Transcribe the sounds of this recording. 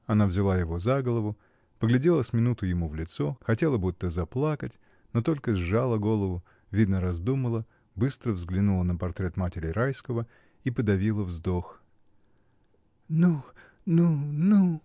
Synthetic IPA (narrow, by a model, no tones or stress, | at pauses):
ɐnavzʲɪlˠajɪvo̞zaɡəlˠəvʊ | pəɡlʲɪdʲe̞lˠəsʲmʲɪnut̪ʊjɪmuvlʲɪt̪so̞xɐtʲe̞lˠəbut̪ːəzɐplˠakətʲ | not̪o̞lʲkəzalˠəɡo̞lˠəvʊ | vʲid̪nəɾɐzd̪uməlˠə | bɨst̪ɾəvzɡlʲɪnulˠənəpɐrt̪ɾʲe̞t̪matʲɪɾʲɪɾajskəvə | ipəd̪ɐvʲilˠəvzd̪o̞x | nu | nunu